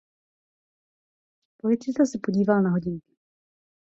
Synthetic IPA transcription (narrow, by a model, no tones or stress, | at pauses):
polɪt̪sɪsɛsɛpoɟiːvalnaɦo̞ɟɪŋkɪ̥